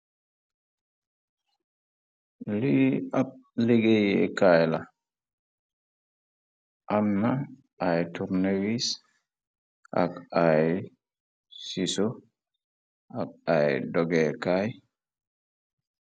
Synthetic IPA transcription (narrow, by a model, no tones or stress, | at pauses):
liap̚liɡejɛkajla | ʔamːa | ʔajtuɾnewis | ʔa̰kaj | siso | ʔak̚ajdɔɡɛkaj